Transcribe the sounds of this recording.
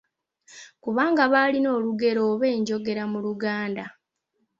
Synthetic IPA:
kuβaːŋɡaβalino̞ːluɡe̞ɾo̞ːβe̞ːɲɟo̞ɡe̞ɾamuluɡaːnda

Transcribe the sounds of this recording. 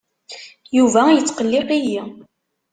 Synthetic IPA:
juvæjət͡sːqəlːiqiji

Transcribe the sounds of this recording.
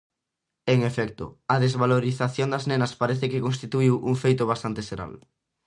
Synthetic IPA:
eŋefɛk̚t̪ʊ̰ɐðezβaloɾiθaθjond̪ɐznenɐspaɾɛθɪkekõnst̪it̪uiwʔuŋfejt̪ʊβ̞ast̪ant̪eseɾa̰l

